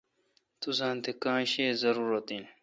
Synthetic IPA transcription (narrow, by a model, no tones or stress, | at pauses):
t̪usãːnt̪ekãːɕeːzɐɾuːɾɐt̪ĩn